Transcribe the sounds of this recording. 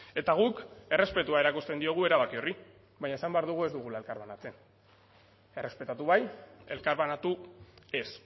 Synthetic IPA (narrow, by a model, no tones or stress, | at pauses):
e̞t̪aɣ̞uke̞re̞spe̞t̪uae̞ɾakust̪e̞nd̪io̞ɣ̞ue̞ɾaβakio̞ri | βaɲaesambeaɾðuɣ̞ue̞zd̪uɣulae̞lkaɾβanat͡se̞n | e̞re̞spe̞t̪at̪uβaje̞lkaɾβanat̪ue̞s